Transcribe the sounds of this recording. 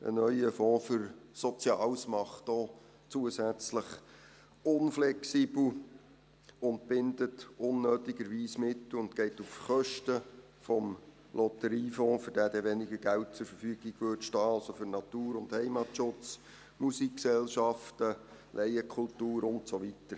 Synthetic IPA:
ə̰nœʏəfɔ̃ːfʏɾsɔt͡sjɑːlsmɑχtɔː | t͡suəsæt͡sləχ | ʊnflɛksibl̩ | ʊnt̚b̥ɪndətʊnːøːtɪɡ̥əɾʋiːsmɪtːʊntɡɛɪtufχœʃtə | fɔm | lʔɔtəɾiːfoːfəɾd̥æːdɛʋɛnɪɡəɡælt̚t͡sʊɾfəɾfyːɡ̥ɪɡʋøtʃtɑːɑlsofʏɾnɑt̪uːɾʊnthɛɪmɑtʃʊt͡s | musikksɛlʃɑftə | lʔɛɪəkʰʊltuːɾʊntsoʋitəɾ

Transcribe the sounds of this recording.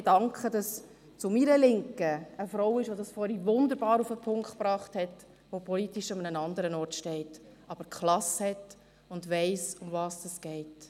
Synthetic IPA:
d̥ɑŋkχədɑs | t͡sʊmiɾəlɪŋkəəfɾɔʊɪʃʋodɑsfɔɾivʊnd̪əɾbɑːɾufəpʰʊŋktpɾɑːχthɛt | ʋopʰɔlitiʃɑmənənɑnd̪əɾənɔɾtʃtɛɪtʔɑb̥əɾkχlɑshɛt | ʊndʋɛɪsʊmvɑːsd̥ɑsɡ̥ɛɪt

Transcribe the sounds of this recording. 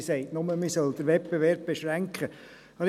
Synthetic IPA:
sɛɪtnʊməmisœld̪əɾʋɛp̚b̥eʋɛɾb̚b̥eʃʁæŋkχə | ɑ

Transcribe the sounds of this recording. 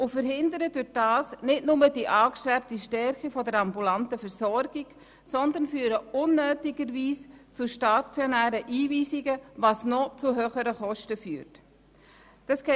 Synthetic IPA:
ʔʊfəɾɦɪndəɾədʊd̥ɑːsnɪtnʊməd̥iʔɑːkʃtɛp̚tiʃtɛɾχifɔdəɾɑmbulɑntəfɛɾsɔɾɡ̥ɪɡ | sɔnd̪ənfyːɾəʊnːøːtɪɡəɾviːst͡sʊʃtɑt͡sjɔnæːɾəʔiːviːsɪɡəʋɑsnɔt͡sʊɦøːχəɾəχɔʃtəfyːɾt | d̥ɑsɡ̥ɛ

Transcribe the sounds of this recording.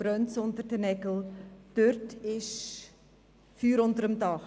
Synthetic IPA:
b̥ɾœnt͡sʊntəɾdənɛɡl̩d̥øɾtɪʃ | fyːɾʊntəɾəmdɑχ

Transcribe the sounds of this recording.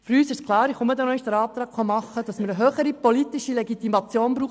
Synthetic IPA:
fɾyːsɪʃskʰlˠɑːɾɪχumədɛnɔɪd̥əɾɑːp̚t̪ɾɑːkχɔmɑχːəd̥ɑsməɾəɦøːχəɾipolitɪʃilɛɡit̪imɑt͡sjoːnbɾuːχ

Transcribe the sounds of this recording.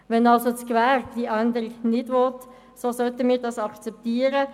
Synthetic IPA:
ʋɛnɑlsot͡skvæːrd̥iʔænd̪əɾɪɡnɪdʋɔt | sosœt̪əmiːʁdɑsɑkt͡sɛp̚t̪iːəɾə

